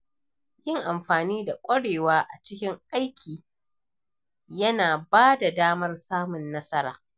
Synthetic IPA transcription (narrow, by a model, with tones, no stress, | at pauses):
jɪ˦ŋʔa˨mɸaː˨niː˦da˨kʷʼɐ˦ɽeː˨waː˦ʔa˨t͡ʃɪ˦kʲɪ˦ŋʔa˦jkʲʰiː˨ | jɐ˦naː˨baː˦da˨daː˦mɐ˦rsaː˦mʊ˨nːɐ˦sɐ˦ɾa̰ː˨